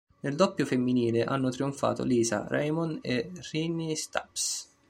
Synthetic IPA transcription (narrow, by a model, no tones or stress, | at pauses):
nɪld̪ɔpːjʊfemːiniːlɪʔanːʊt̪ɾiuɱfa̰ːt̪o̰liːza̰ra̰jmɔnerinːist̪a̰ps